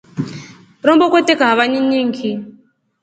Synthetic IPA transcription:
ɾɔmbɔkʷɔtekaɦaʋaɲiɲiŋ̩kʰi

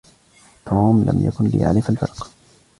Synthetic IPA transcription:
t̪ʰoːmlʔa̰mja̰kʊnlɪ̰ʔa̰lɪfalfɑɾˤq

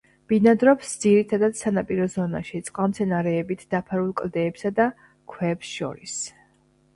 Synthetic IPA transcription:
b̥inad̪ɾɔpsd̪z̥iɾit̪ʰad̪ad̪̥sanapʼiɾɔzɔna̰ʃit̪sʼqʼalmt̪sʰɛnaɾɛːbit̪ʰd̪̥apʰaɾulˠkʼld̪ɛːpsad̪a | kʰwɛpsʃɔ̰ɾis

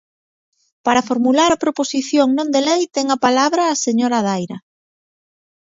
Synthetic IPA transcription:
paɾafoɾmulaɾɐpɾoposiθjoŋnõnd̪elejt̪ɛŋɐpalaβɾɐːseɲoɾað̞ajɾɐ

